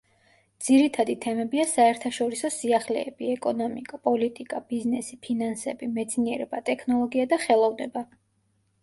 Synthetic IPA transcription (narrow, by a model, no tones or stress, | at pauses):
d̪z̥iɾit̪ʰad̪it̪ʰɛmɛbiasaɛɾt̪ʰaʃɔɾisɔsiaχlɛ̰ːb̥iɛkʼɔnɔmikʼapʼɔlit̪ʼikʼab̥iznɛsipʰinansɛbimɛt̪sʰniɛɾɛbat̪ʼɛkʰnɔlˠɔɡiad̪aχɛlˠɔvnɛba